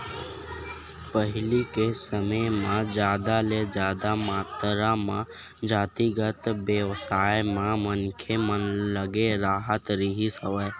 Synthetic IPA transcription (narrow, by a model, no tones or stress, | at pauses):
pəɦɪlikesəməjmãd͡ʒjaːd̪aled͡ʒjaːd̪amaːt̪ɾamã | d͡ʒaːt̪iɡət̪bjeʋsaːjmãmənkʰemənləɡeɾaːɦət̪ɾiɦisəʋəː